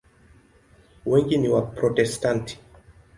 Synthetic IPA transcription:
wɛŋɡiniwapɾɔtɛstantʰi̥

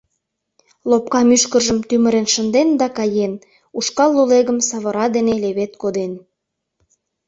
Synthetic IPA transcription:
lop̚kɑmyʃkəʒəmt̪yməɾenʃənd̪end̪ɑkɑjen | uʃkɑlːuleɣəmsɑβə̆ɾɑd̪eneleβet̪kod̪en

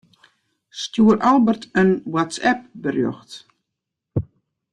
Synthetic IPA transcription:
stjuəɾʔalˠbərtənwatsɛp̚bərjɔ̰xt

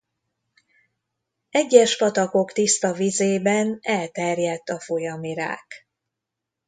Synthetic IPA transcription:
ɛɟːɛʃpɒt̪ɒko̞kt̪ist̪ɒvizeːbɛnɛlt̪ɛrjɛt̪ːɒfo̞jɒmiɾa̰ːk

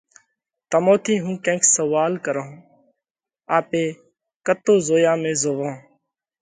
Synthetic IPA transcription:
t̪əmoːt̪ʰiːɦũːkẽːksəʋaːlkəɾõː | aːpeː | kət̪oːzoːjãːmẽːzoːʋõː

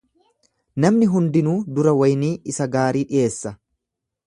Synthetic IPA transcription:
nɐmnɪɦʊnd̪ɪnuːd̪ʊɾɐwɐjniːɪsɐɡaːɾiːᶑɪje̞ːsːɐ

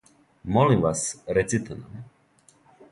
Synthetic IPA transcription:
mɔlivasɾɛsit̪ʰənəm

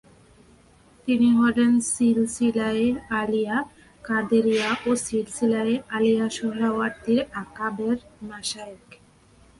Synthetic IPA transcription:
t̪iniɦɔlensilsilaealija | kaɾd̪eɾijaʔosilsilaealijaʃɔɦɾawaɾt̪iɾakabeɾmaʃaek

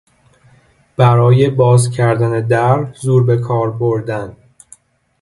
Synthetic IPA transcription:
b̥æɾɒːje̞bɒːzcʰæɾd̪æne̞d̪æɾzuːɾbe̞kʰɒːɾboɾd̪æn

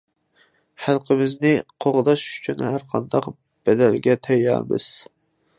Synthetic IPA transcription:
χælˠqʰəmɪznɪqʰoʁd̪ɑʃy̥t͡ʃʰynhæɾqʰɑnd̪ɑq | b̥ɛd̪ælɡʲɛt̪ʰɛjːɑ̰ɾbɨ̰z̥

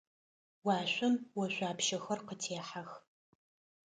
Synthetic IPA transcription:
wɑːɕʷʊmwɔʃʷaːpʃɐxɐrqətʰeːħax

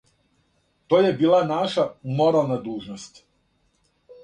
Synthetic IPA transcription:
t̪o̞ːjebiːlˠanaʃamo̞ɾalˠnad̪uːʒnost̪

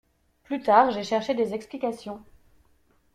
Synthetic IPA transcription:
plyt̪aʁʒeʃɛʁʃed̪ezɛksplikʲasjɔ̃

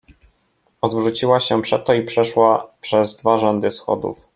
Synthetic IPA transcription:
ɔd̪vʐut͡ɕiwaɕɛpʂɛt̪ːɔipʂɛʂwapʂɛzd̪vaʐɔnd̪ɘsxɔ̰d̪ṵf

